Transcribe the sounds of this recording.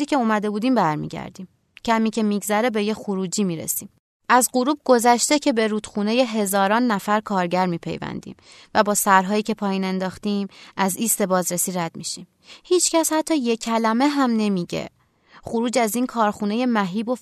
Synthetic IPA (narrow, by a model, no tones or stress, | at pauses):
iːcʰʲe̞umæd̪e̞buːd̪iːmbæɾmḭːɟæ̰ɾd̪iːm | cʰæmiːcʰe̞miɡzæɾe̞be̞jexuɾuːd͡ʒiːmiːɾḛsiːm | ʔæzɢoɾuːb̚ɡo̞zæʃt̪e̞cʰe̞be̞ɾuːd̪̥xune̞je̞ɦe̞zɒːɾɒːnːæfæɾkʰɒːɾɟæɾmiːpʰe̞̰jvæ̰nd̪ḭːm | væbɒːsæɾɦɒːjiːcʰe̞pʰɒːjiːne̞nd̪ɒːxt̪iːmæziːst̪e̞bɒːzɾesiːɾæd̪̚miʃim | hiːt͡ʃcæshæt̪ʰːɒːje̞cʰælæme̞ɦæmne̞miɟḛ | χoɾuːd͡ʒæziːnkʰɒːɾxune̞je̞mæɦiːbo̞